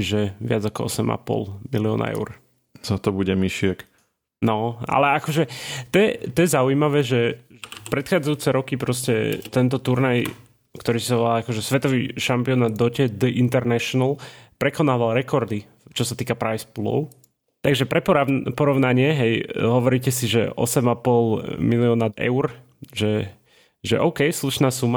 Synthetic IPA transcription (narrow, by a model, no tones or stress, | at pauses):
ʒɛʋɪad͡zakɔɔsɛma̰pɔ̰lmiliɔ̰ːna̰ɛ̰ʊɾ | sat̪ɔbuɟɛmiʃɪɛk | nɔa̰lɛakɔʒɛt̪ɔjɛt̪ɔjɛzaujimaʋɛːʒɛʒɛpɾɛt̪xaːd͡zajuːt͡sɛɾɔkipɾɔscɛ̰t̪ɛnt̪̬ɔt̪uɾnaj | kt̪ɔɾiːsaʋakɔʒɛsʋɛt̪ɔʋḭːʃampiɔnaːd̪̚d̪ɔcɛd̪əʔint̪ɛɾnɛʃɔnalpɾɛkɔnaːʋalɾɛkɔɾd̪i | t͡ʃɔsat̪iːkapɾajsplɔ̰ʊ | t̪aɡʒɛpɾɛpɔɾapɔɾɔʊnaɲɪɛɦɛjɦɔʋɔɾiːcɛsiʒɛ̰ʔɔ̰sɛmapɔlmiliɔnaɛ̰ʊɾ | ʒɛ | ʒɛ̰ʔɔʊkɛjsluʃnaːsuma